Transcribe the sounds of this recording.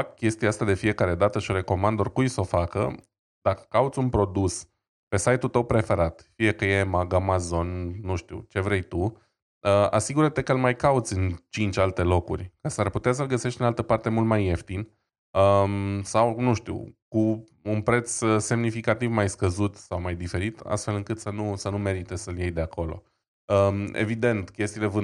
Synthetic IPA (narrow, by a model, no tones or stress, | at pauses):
fakkʲe̞st̪iaast̪ad̪e̞fije̞kaɾe̞d̪at̪əʃioɾe̞ko̞mand̪orkujso̞fakə̰ | d̪̥akə̥kaut̪sʲunpɾo̞d̪us | pe̞sajt̪ult̪əwpɾefe̞ɾat̪fije̞kəje̞maɡamazo̞nːuʃt̪ḭwt͡ʃe̞vɾe̞jt̪u | əa̰siɡuɾət̪e̞kəɨlmajkaut̪sʲɨnt͡ʃint͡ʃʲalt̪e̞lo̞kṵrʲkasəarput̪eas̬əlɡəse̞ʃt̪inalt̪əpart̪e̞mult̪̚maje̞ft̪in | əsawnuʃt̪ḭwku | unpɾe̞t̪səse̞mnifikat̪ivmajskəzut̪sawmajd̪ife̞ɾit̪a̰st̪fe̞lɨŋkɨt̪sənusənume̞ɾit̪e̞səljejd̪e̞ako̞lo̞̰ | əḛvid̪e̞nt̪kʲe̞st̪ile̞vɨ